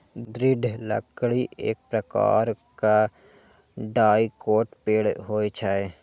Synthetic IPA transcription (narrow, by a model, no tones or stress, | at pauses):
d̪ɾɪɖʱlə̰kɽiʔeːk̚pɾəka̰ːɾka | ɖaːikoːʈpeːɽɦoːit͡ʃʰaːe